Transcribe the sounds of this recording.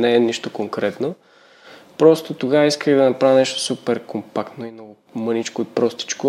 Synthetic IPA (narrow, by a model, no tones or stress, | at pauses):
nɛɛniʃt̪okoŋkɾɛt̪no | pɾɔst̪ot̪oɡavɐiskəxd̪ɐnɐpɾavnɛʃt̪o̥supɛɾkompakt̪noimnɔɡʊ | mɤnit͡ʃkoipɾɔst̪i̥t͡ʃkʊ